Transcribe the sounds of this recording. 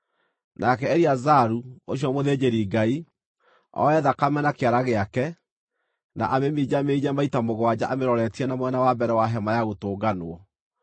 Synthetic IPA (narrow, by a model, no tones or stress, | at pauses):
nʔakɛɛɾiazaɾuoɕjɔmoðeːd͡ʑeɾiːɡai | ɔ̰ɛðakamɛnakeaɾaɣeakɛ | na̰ʔamemiːd͡ʑameid͡ʒamaitamoɣwad͡ʑaʔameɾɔɾɛtiɛnamwɛnawabɛɾɛwaɦɛmajaɣotoːɡanoɔ